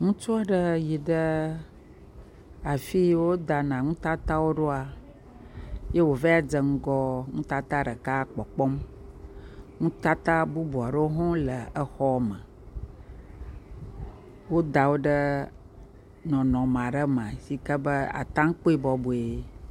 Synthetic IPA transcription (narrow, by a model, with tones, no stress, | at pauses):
ŋũ˦t͡ʃo˦a˦ɖə˦ji˨ɖə˦ | a˨fi˦wo˦d̪a˨nã˨ŋũ˦t̪a˦t̪a˦wo˦ɖo˦a˨ | je˦wo˨və˦a˨d͡zə˨ŋ̩˦ɡɔ˦ŋũ˦t̪a˦t̪a˦ɖə˨ka˦k͡pɔ˨k͡pɔ˦m | ŋũ˦t̪a˦t̪a˦bu˦bu˨a˨ɖə˦wo˦ɦɔ̃˦lə˨ə˦xɔ˦mə̃˨ | wo˦d̪a˨wo˦ɖə˦ | nɔ̃˨nɔ̃˨m˨ã˨ɖə˦m˨ã˨si˦kə˦bə˦a̰˨t̪ã˦ŋ˦k͡po˦i˦bɔ˨bu˨e˨˦